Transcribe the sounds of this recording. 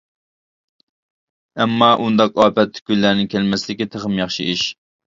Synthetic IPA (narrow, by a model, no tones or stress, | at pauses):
ɛmːɑʔund̪ɑqɑːpɛt̪ːɡʲylːæɾnɪkʲʰɛlmɛsld̪ɪkʲit̪ʰəʁəmjɑχʃḭiʃ